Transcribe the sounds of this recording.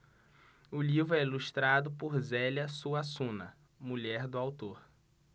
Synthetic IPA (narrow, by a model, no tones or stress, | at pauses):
ʊlivɾʊɛiluʃt̪ɾad̪ʊpʊɾzɛlɐsuasũnɐ̰ | muʎɛɾd̪ʊawt̪oɾ